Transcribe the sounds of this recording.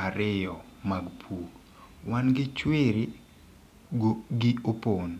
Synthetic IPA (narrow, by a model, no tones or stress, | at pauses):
aɾɪjɔ | maɡpʰuɡ | wanɡɪt͡ʃweɾi | ɡɪopon